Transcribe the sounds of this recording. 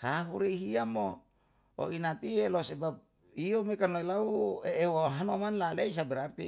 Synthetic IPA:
kaɦuɾeiɦiamo | o̰ʔinat̪ielosebap̚ | iomekanloilaueːwoɦanomanlaleis̬abɛɾart̪ḭ

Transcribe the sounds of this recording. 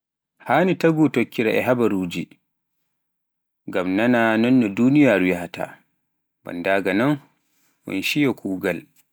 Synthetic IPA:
haːnitaɡutokʰːiɾa̰ʔɛɦabaɾuːd͡ʒi | ŋɡamnananɔnːɔduːnijaːɾujahata̰ | ba̰ndaːɡanan | wɔ̰nʃijɔkʰuːɡal

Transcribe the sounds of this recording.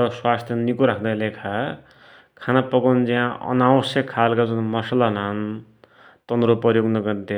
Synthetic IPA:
ʌswast̪ʰjʌnikuɾakʰd̪alekʰa | kʰanapʌɡond͡ziãʌ̰nawʌsjʌkʰːalkad͡zunmʌsʌlanan | t̪ʌnd̪ɾopʌjoɡnʌɡʌɾnt̪e

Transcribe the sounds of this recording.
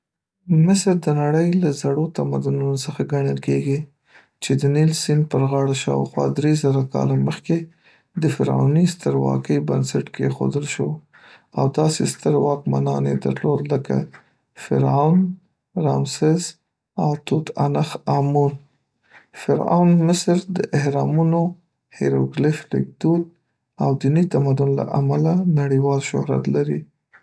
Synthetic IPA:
mɪsəɾd̪ənaɽəjlazaɽot̪amad̪ʊnunosəxaɡaɳəlkeɡi | t͡ʃed̪ənilsinpəɾɣɑɽaʃɑwxwɑ̰d̪ɾezaɾakɑ̰laməxke | d̪əfɪɾa̰wnist̪əɾwɑ̰kəjbənsaʈkexo̰d̪əlʃow | a̰wd̪ɑsḛst̪əɾwɑkma̰nɑned̪a̰ɾlod̪ːəka̰ | fɪɾawn | ɾɑmsɪz | awt̪ut̪anaxamun | fɪɾa̰wnmɪsɾd̪əʔɪhɾɑmuno | hɪɾoɡlɪflɪ̰k̚d̪ud̪̚ | awd̪init̪amad̪ʊnla̰ʔamalanaɽiwɑlʃʊ̰hɾa̰t̪laɾi

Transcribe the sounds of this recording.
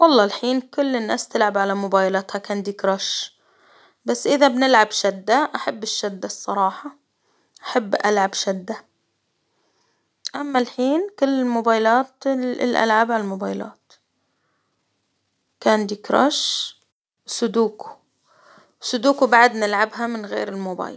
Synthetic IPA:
wɑlˤːɑːlħiːnkʊlːɪnːaːst̪ɪlʕabʕalamʊbaːjlaːt̪hakaːnd̪iːkɾaʃ | basːʔɪðabnɪlʕabʃad̪ːaʔaħabːɪʃːad̪ːasˤːɑɾˤɑːħɑ | ʔaħabːʔalʕabʃad̪ːa | ʔamːalħiːnkʊlːɪlmʊbaːjlaːt̪lʔa̰lʕabʕalalmʊbaːjla̰ːt̪ | kaːnd̪iːkɾˤɑ̰ʃ | sʊd̪uːku̥ | wsʊd̪uːkubaʕad̪nɪlʕabɦamɪnɣḛːɾɪlmʊba̰ːj

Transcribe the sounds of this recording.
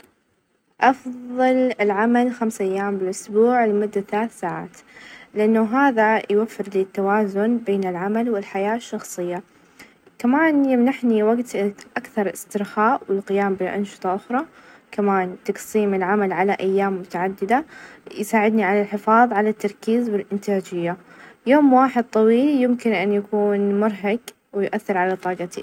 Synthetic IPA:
ʔɑfððˤɑlɪlʕamalxamsʔajːaːmbɪlʔʊsbuːʕlmʊd̪ːaθalaːθsaːʕa̰ːt̪lɪʔanːʊɦaːðajwafːɪɾliːt̪ːawaːzʊnbeːnɪlʕamalwɪlħajaːʃːɑxsˤɨjːa | kamaːnjɪmnaħniwaɡt̪ʔakθɑɾˤɪst̪ɪɾxaːʔwɪlqɪjaːmbɪlʔɑ̰nʃɨ̥t̪ˤɑʔʊxɾˤɑkamaːnt̪ɑqsiːmɪlʕamalʕalaʔajːaːmːʊt̪aʕad̪ːɪd̪ajsaːʕɪd̪niʕalalħɪfɑːðˤʕalat̪ːɑɾˤkiːzwɪlʔɪnt̪aːd͡ʒɪjːa | joːmwaːħɪd̪̚t̪ˤɑwiːljɪmkɪnʔanjakuːnmʊɾˤɦaɡ | wɪjʔaθːɪɾʕalat̪ˤɑːɡɑt̪i

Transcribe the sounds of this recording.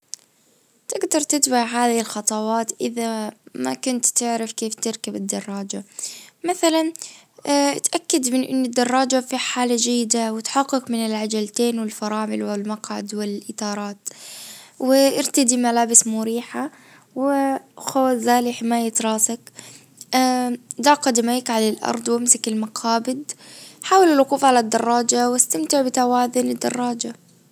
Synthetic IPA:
t̪ɪɡd̪ɑɾˤt̪ɪt̪baʕɦaːðɪɪlxɑt̪ˤɑwɑːt̪ʔɪðamakʊnt̪t̪ːɪʕɾɪfkeːft̪ɪɾkabɪd̪ːɑrˤːɑːd͡ʒamaθalan | t̪ʔakːad̪mɪnʔɪ̰nːɪd̪ːɑrˤːɑːd͡ʒafiħaːlad͡ʒajːɪd̪awɪt̪ħɑqːɪkmɪnɪlʕad͡ʒalt̪eːnwɪlfɑɾˤɑːmɪlwɪlmɑqʕa̰d̪wɪlʔɪt̪ɑːɾˤɑːt̪ | wɪʔɪɾt̪ad̪imalaːbɪsmʊɾiːħa | wɪxoːszaːliħɪmaːjat̪ɾˤɑːsakː | d̪aʕqad̪makʕalalʔɑ̰ɾˤd̪ˤwɪmsakɪlmɑqʰɑːbɪd̪ħaːwalɪlwquːfʕalad̪ːɑrˤːɑːd͡ʒawɪst̪amt̪ɪʕbɪt̪awaːðʊnɪd̪ːɑ̰rˤːɑːd͡ʒa

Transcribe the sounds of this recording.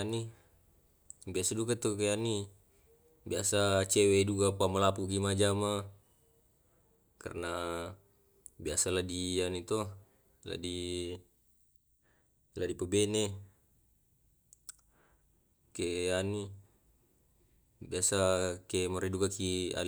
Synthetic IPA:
ani | biasadukat̪okeani | biasat͡ʃɛweduɡapamalapukimad͡ʒama | ka̰rna | biasaladianit̪ɔ | la̰di | ladipəbɛne | keani | biasakemɔɾiduɡakia̰l

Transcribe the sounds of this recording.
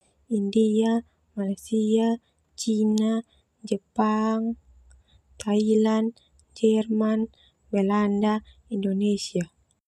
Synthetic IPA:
india | malasia | t͡ʃina | d͡ʒəpaŋ | t̪ʰailan | d͡ʒɛrman | bɛlanda | indonesia

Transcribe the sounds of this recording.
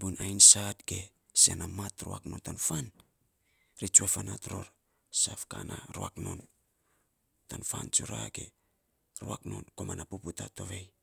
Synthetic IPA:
bunajnsatke̞ | sianamatɾoaknontanfan | ɾit͡ʃuafanatɾoɾ | safka̰nʔaɾoakno̞n | tanfant͡ʃuɾaɡe̞ | ɾoakno̞̰nko̞manapuputato̞βej

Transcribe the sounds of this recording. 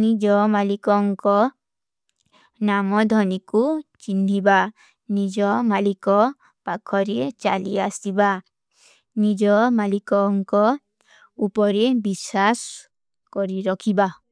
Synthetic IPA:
nid͡ʒɔmalikɔŋkɔ | namɔd̪ʱɔnikut͡ʃiniba | nid͡ʒɔmalikɔ | pakʰɔɾet͡ʃa̰liasiba | nid͡ʒɔmalikɔŋkɔ | upɔɾebisas | kɔɾiɾɔkʰiba

